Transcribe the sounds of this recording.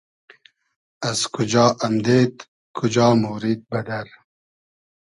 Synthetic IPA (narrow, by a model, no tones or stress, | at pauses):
ɐzkʰud͡ʒɑːʔɐmd̪eːt̪ | kʰud͡ʒɑːmuːɾiːd̪̚bɐd̪ɐɾ